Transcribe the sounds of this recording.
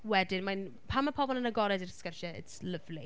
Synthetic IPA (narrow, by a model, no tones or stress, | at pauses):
wɛdɪnman | pʰamapʰɔbɔlˠənəɡɔɾɛdɪrskərʃəɪ̰tsləvli